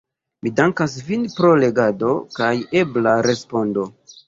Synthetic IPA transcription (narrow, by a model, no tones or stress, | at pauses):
midaŋkas̬vinpɾo̞le̞ɡado̞kaje̞blaɾe̞spo̞ndo̞